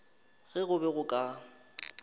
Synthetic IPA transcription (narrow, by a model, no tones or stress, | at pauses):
ɣɛɣʊbɛɣʊkʼa